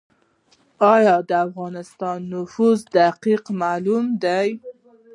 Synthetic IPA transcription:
ɑjɑd̪əafɣɑnɪst̪ɑnːʊfuzd̪aqiqmalumd̪aj

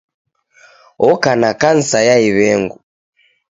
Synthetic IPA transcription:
ɔkanakan̩sajaiβɛŋɡu

